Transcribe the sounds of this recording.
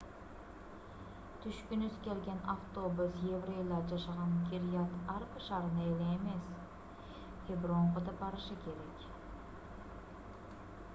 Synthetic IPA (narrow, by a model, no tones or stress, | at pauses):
t̪ʰʏʃkʲʏnʏzkʲʰe̞lɡʲe̞nʔaft̪o̞bʊsjevɾejlˠɑd͡ʒɑʃɑʁɑnkʲʰiɾijɑt̪ɑɾbɪʃɑɾənɑeleeme̞s | kʰʲebɪɾoɴʁəd̪ɑbɑɾəʃəkʲʰe̞ɾe̞kʲ